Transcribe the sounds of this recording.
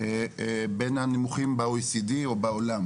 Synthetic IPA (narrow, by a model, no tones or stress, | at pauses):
ebenanimuχimbaujsid̪iobaolam